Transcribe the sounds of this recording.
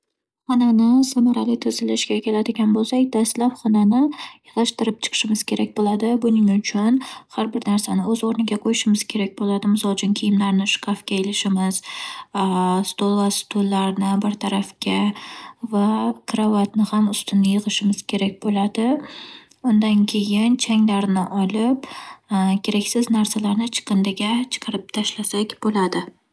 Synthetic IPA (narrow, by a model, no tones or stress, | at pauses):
χɒnanɪsamaɾalɪt̪ʰɵzɪlɪʃɡʲakʲe̞lad̪ɪɡʲanbolˠsakʲd̪̥aslapχɒnanɪjɨʁlaʃt̪ɪɾɪp̚t͡ʃʰɨ̥qʰɨ̥ʃɪmɪz̥kʲʰe̞ɾakʲbolad̪ɪbʊnɪŋʊt͡ʃʰʊnhaɾbɪɾnaɾsanɪɵzoɾnɪɡʲaqʰojɪʃɪmɪz̥kʲʰe̞ɾak̚ʲbolad̪ɪmɪzɒd͡ʒɪnkʲʰijɪmlaɾnɪʃʊ̥kʰafkʲaelɪʃɪmɪz̥ | st̪olˠvast̪ʰolˠːaɾnɪbɪɾt̪ʰaɾafkʲa | vakʰɾavat̪nɪhamʊst̪ʰɪnːɪjɨʁɨʃɪmɪz̥kʲʰe̞ɾak̚ʲbolad̪ɪ | ʊnd̪ankʲʰe̞jɪnt͡ʃʰaŋlaɾnɪʔɒlɪp | kʲʰe̞ɾakʲsɪznaɾsalaɾnɪt͡ʃʰɨ̥qʰɨnd̪ɪɡʲat͡ʃʰɨ̥qʰɑɾɪp̚t̪ʰaʃlasakʲbolad̪ɪ